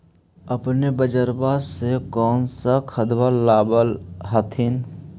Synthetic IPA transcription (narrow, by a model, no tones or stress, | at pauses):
əpnebəd͡ʒəɾbasekɔːnsakʰəd̪ʋaːaːbəlɦət̪ʰɪn